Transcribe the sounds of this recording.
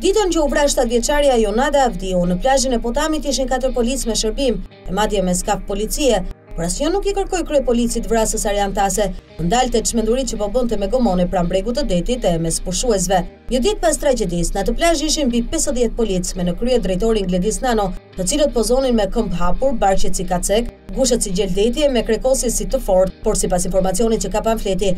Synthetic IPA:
d̪it̪and͡ʑɔuvɾaʃt̪at̪vjɛt͡ʃaɾjajɔnad̪avd̪iunəplaʒinɛpɔt̪amit̪̬iʃ̬inkat̪əɾpɔlit͡smɛʃəɾbim | ɛmad̪jɛmɛskafpɔlit͡siɛ | pɔɾasjɔnukɛkəɾkɔjkɾyjpɔlit͡sit̪vɾasəsaɾɛant̪asɛənd̪alt̪ɛt͡ʃmɛnd̪uɾit͡ʃəpɔbənt̪ɛmɛɡɔmɔnɛpɾambɾɛɡut̪ːəd̪ɛt̪it̪ɛmɛspuʃuɛs̬vɛ | ɲəd̪ɛt̪̚past̪ɾad͡ʒɛd̪isnat̪əplaʃiʃimbipɛsəðjɛt̪̚pɔlit͡smɛnəkɾyɛd̪ɾɛjt̪ɔɾiŋɡlɛd̪isnanɔt̪ət͡silət̪̚pɔzɔninmɛkəmbɦapuɾbaɾt͡ʃɛt͡sikat͡sɛkɡuʃ̬ət̪siɟɛld̪ɛt̪̬jɛmɛkɾɛkɔsisit̪əfɔɾt̪̚pɔɾsipasinfɔɾmat͡siɔnit̪t͡ʃəkapanflɛt̪̬i

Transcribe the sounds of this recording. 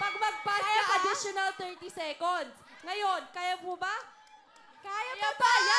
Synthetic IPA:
pɐɡ̚mɐɡ̚pasɐʔɐd̪ɪʃonɐlt̪ɛɹt̪isɛkond̪sŋɐjo̞nkaːjɐmoba | kaːjɐabaja

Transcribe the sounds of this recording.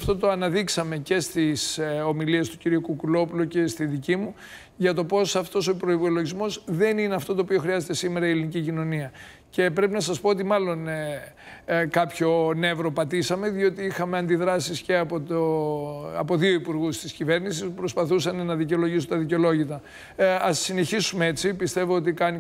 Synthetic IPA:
ft̪o̞t̪oɐnɐðiksɐme̞ce̞st̪iso̞milie̞st̪u̥ciɾiukukulo̞puluce̞st̪iðicimu | ʝɐt̪o̞po̞sɐft̪o̞sopɾo̞ipolo̞ʝizmo̞zðe̞nineɐft̪o̞t̪oːpio̞xɾiɐze̞t̪e̞sime̞ɾɐielinicicino̞niɐ | ce̞pɾe̞pinɐsɐspo̞ot̪imɐlo̞n | kɐpço̞ne̞vɾo̞pɐt̪isɐme̞ðio̞t̪iixɐmeɐnd̪iðɾɐsisceɐpot̪o | ɐpo̞ðio̞ipuɾɣust̪iscive̞ɾnisispɾospɐθusɐnenɐðiceo̞lo̞ʝis̬ot̪ɐðiceo̞lo̞ʝit̪ɐ | ɐsːine̞çisumee̞t͡sipist̪e̞voot̪ikɐni

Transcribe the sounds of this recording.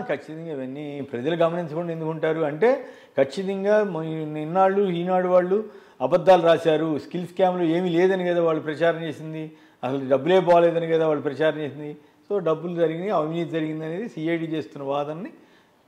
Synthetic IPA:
kʰɐt͡ʃːit̪ɐŋɡaːiʋɐnːipɾɐd͡ʒɐluɡɐmɐninsukuɳɖe̞nd̪ukuɳʈaːɾuɐɳʈe̞ː | kʰɐt͡ʃːit̪̬ɐŋɡaːninːaːɭːuiːnaːɽuʋaːɭːu | ɐbɐd̪ːaːluɾaːt͡ʃaːɾuskilskaːmlo̞ːe̞ːmile̞ːd̪ɐnikɐd̪aːʋaːɭːupɾɐt͡ʃaːɾɐmt͡ʃe̞ːsind̪i | ɐsɐluɖɐbːule̞ːp̬ɔːʋleːd̪ɐnikɐd̪aːʋaːɭːupɾɐt͡ʃaːɾɐmt͡ʃeːs̬ind̪i | so̞ːɖɐbːuld͡ʒɐɾiɡiniɐbiminit̪id͡ʒɐɾiɡind̪ɐne̞ːd̪isiːɐjɖiːt͡ʃe̞ːst̪unːɐbaːd̪ɐnːi

